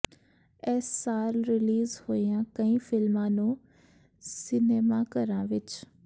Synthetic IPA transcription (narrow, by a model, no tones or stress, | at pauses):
ɛsaːɾɾɪliːzhoːijãkɐ̃ĩfɪlmãːnũ | sɪneːmakɐɾãʋɪt͡ʃ